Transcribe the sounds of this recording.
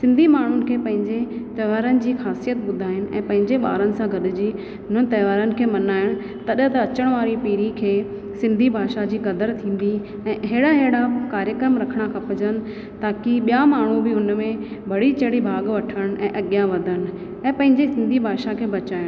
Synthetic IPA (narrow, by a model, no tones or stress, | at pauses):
sɪ̃nd̪ʱimaːɳ̤ʊnɪ̆kʰeːpɐ̃ɦɪ̃ɲd͡ʑet̪ɐːʋaːɾənɪ̆d͡ʑiːxaːsijət̪ɓʊd̪ʱaːɦɪnɪ̆ɛ̰̃ːpɐ̃ɦɪ̃ɲd͡ʑeɓa̰ːɾənɪ̆sãɡʱɐɗɪ̆d͡ʑiː | ɦʊn̤ənɪ̆t̪ɐːʋaːɾənɪ̆kʰeːmɐnaːɪɽ̃ | t̪ɐɗət̪ɐɐt͡ɕəɽ̃ʋaːɾipiːɾikʰeː | sɪ̃nd̪ʱibʱaːʃad͡ʑiːkɐd̪əɾt̪ʰĩːn̆d̪i | ɛ̃ːɦeːɽaɦeːɽakaːɾjəkɾəmɾɐkʰəɽ̃akʰɐ̃pɐd͡ʑənɪ̆ | t̪aːkiɓijamaːɳ̤ubɪɦʊnmẽbʱɐɽ̤it͡ɕɐɽibʱaːɡʋɐʈʰəɽ̃ɛ̃ːʔɐɠjaʋɐd̪ʱəɽ̃̆ | ɛ̃ːpɐ̃ɦɪ̃ɲd͡ʑesɪ̃nd̪ʱibʱaːʃakʰeːbɐt͡ɕaːɪɽ̃